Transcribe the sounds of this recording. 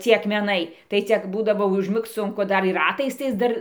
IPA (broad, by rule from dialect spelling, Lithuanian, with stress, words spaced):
ˈt͡sʲiɛ ɐkmʲɛˈnɐɪ tɐɪ ˈt͡sʲɛ ˈbuːdɐʋoː ʊʒʲˈmʲɪkt͡s ˈsʊŋkʊ ˈdɐr ɪr ˈrɑːtɐɪs ˈdɐr